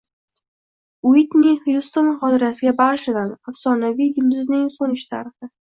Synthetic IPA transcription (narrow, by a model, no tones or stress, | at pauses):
ʊit̪nɪhjust̪onχɒt̪ʰɪɾasɪɡʲabaʁʃlɪd̪anafsɒnavijjʊld̪ɪznɪŋsonɪʃt̪ʰa̰ɾɪχɪ